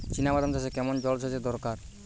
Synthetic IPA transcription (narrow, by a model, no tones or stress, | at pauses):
t͡ɕinabad̪ant̪asekɛmond͡ʑɔlsʰod͡ʑed̪ɔɾkaɾ